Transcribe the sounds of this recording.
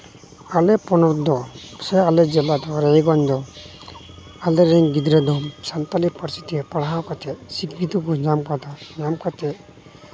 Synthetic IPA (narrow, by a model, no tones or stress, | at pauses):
alɛpɔnɔd̪ɔsɛalɛd͡ʒɛlad̪ɔɾɛjɡɔnd̪ɔ | alɛɾɛŋɡid̪ɾɛd̪ɔmsant̪alipɔɾsit̪ipaɽɦawkat̪ʰɛsikit̪ukɔd͡ʒamkat̪ad͡ʒamkat̪ʰɛ